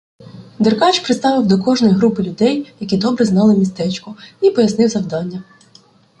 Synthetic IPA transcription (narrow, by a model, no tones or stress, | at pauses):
d̪erkɑt͡ʃpɾɪt̪st̪ɑʋɪwd̪ɔkɔʒnɔjiɦɾupɪlʲʊd̪ɛjjɐkʲid̪ɔbɾɛzn̪ɑlˠɪmʲist̪ɛt͡ʃkʊipɔjɐsnɪwzɐwd̪ɑnʲːɐ